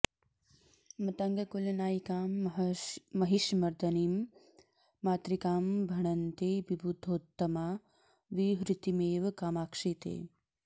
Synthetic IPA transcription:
mɐt̪ɐŋɡɐkulɐnaːjikaːmː | ɐɦiʃmɐɾd̪ʱɐniːmː | aːt̪ɾikaːmbʱɐɳɐnt̪eːbibʱud̪ʱoːt̪ːɐmaː | ʋiɦɾit̪imeːʋɐkaːmaːkʂit̪ḛː

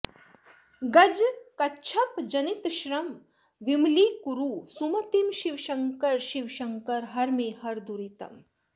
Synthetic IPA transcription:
ɡɐd͡ʒkɐtːt͡ʃʰɐpd͡ʒɐnit̪ʃɾɐm | ʋimliːkuɾuːsumɐt̪imʃiʋʃɐŋkɐɾʃiʋʃɐŋkɐɾɦɐɾmeːhɐɾd̪uɾit̪ɐ̰m

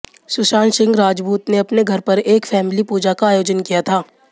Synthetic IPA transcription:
sʊʃaːnsɪ̃ŋɡɾaːd͡ʒbuːt̪neɐpneɡʱɐɾpɐɾeːkfɛːmɪlipuːd͡ʒakaːjoːd͡ʒənkijat̪ʰaː

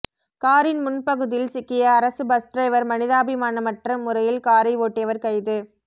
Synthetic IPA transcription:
kaːɾɪnmʊnpɐɣɯðɪlsɪkːɪjɐːɾɐsɯbɐsʈɾɐɪʋɐɾmɐnɪðaːbɪmaːnɐmɐʈrɐmːʊɾɐjɪlkaːɾɐɪʋoːʈːɪjɐʋɐɾkɐɪðɯ

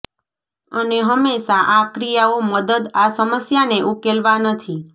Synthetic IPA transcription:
əneɦəmːeʃaʔakɾijaoməd̪əd̪asəməsjaneʔukelʋanət̪ʰi

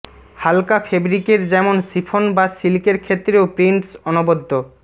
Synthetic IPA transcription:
halkafʰebɾikeɾd͡ʑɛmonsifʰonbasilkeɾkʰet̪ːɾeopɾiɳʈsɔnobod̪ːo

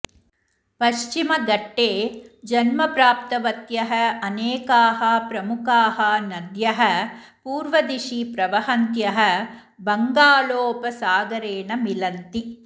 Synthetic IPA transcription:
pɐʃt͡ʃimɐɡɐʈːeːd͡ʒɐnmɐpɾaːpt̪ɐʋɐt̪jɐɦɐɐneːkaːɦɐpɾɐmukaːɦɐnɐd̪jɐɦɐ | puːɾʋɐd̪iʃipɾɐʋɐɦɐnt̪jɐɦɐ̆ | bɐŋɡaːloːpɐsaːɡɐɾeːɳɐmilɐnt̪i

